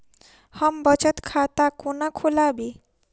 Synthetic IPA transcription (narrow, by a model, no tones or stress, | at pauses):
hʌmbʌt͡ʃʌt̪kʰat̪akunakʰolabi